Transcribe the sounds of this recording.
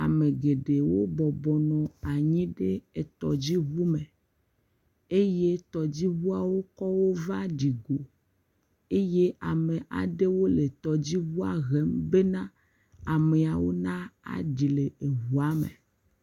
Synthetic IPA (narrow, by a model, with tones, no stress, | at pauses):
a̰˨me˨ɡe˨ɖe˨wo˦bɔ˨bɔ˨nɔ̃˨a˨ɲĩ˦ɖe˦e˨t̪ɔ̰˨d͡ʑi˦βu˦me˨ | e˦je˦t̪ɔ˨d͡ʑi˦βu˦a˨wo˦kɔ˦wo˦va˦ɖi˨ɡo˨ | e˦je˦a˨mẽ˨ʔa̰˨ɖe˦wo˦le˨t̪ɔ˨d͡ʑi˦βu˦a̰˨ɣe˦mbe˦nã˦ | a˨me˨a˨wo˦nã˦a̰˨ɖi˨le˨e˨βu˨a˦mḛ˨